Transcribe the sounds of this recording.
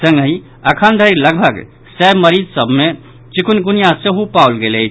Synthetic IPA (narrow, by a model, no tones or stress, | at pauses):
sə̃ŋɡəɦi | əkʰənd̪ʱəiɾləɡbʱəɡ | sɛbməɾid͡ʒsəbʱme | t͡ʃikunɡunijaseɦupawlɡele